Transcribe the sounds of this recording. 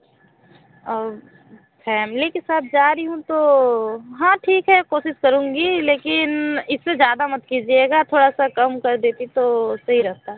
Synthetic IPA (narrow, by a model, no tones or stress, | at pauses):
ɔːɾ | fɛːmlikesaːt̪̚ʰd͡ʒaːɾiɦũt̪o | ɦãːʈʰiːkɦɛkoːʃɪskɐɾũːŋɡileːkɪnɪsːed͡ʒjaːd̪amɐt̪kid͡ʒieːɡat̪ʰoːɽasakɐmkɐɾd̪eːt̪it̪osɐɦiɾɐɦt̪a